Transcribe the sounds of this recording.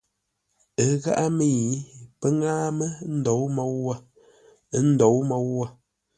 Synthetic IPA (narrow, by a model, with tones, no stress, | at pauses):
ə˨ɣa̰˦ʔa˦mi˦˨pə˦ŋaː˦mə˦n̩˦dɔ˨˦wmɔ˨˦wːa˦˨˦ | n̩˦dɔ˨˦wmɔ˨˦wːa˦˨